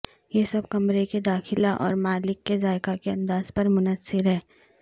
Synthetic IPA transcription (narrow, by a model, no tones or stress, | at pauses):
jesɐbkɐmɾeked̪aːxɪlaʔɔ̰ːɾmaːlɪkːezaːɪkakeɐ̃md̪aːzpɐɾmʊnəsːɪɾɦɛː